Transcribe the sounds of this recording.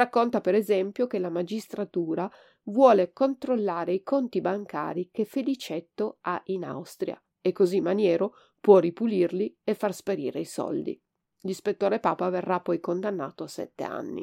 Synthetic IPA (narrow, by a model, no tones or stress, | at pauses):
rakːont̪apeɾezɛmpjokelamad͡ʒist̪ɾat̪uːɾa | vwɔːlekont̪ɾolːaːɾeikʰont̪ibaŋka̰ːɾikefelit͡ʃɛt̪ːoaʔina̰wst̪ɾja̰ | ekːozimːanjɛːɾo | pwɔripulirliefːarspeɾiːɾeisɔ̰ld̪ḭ | lispet̪ːoːɾepaːpaverːapːɔjkond̪anːa̰ːt̪oasɛ̰t̪ːḛa̰nːḭ